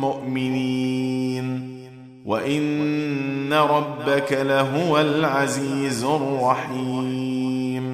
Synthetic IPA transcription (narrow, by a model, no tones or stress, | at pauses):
mʊʔmɪniːn | wa̰ʔɪnː | aɾˤɑbːakalaɦʊwalʕaziːzʊrˤːɑħiː | m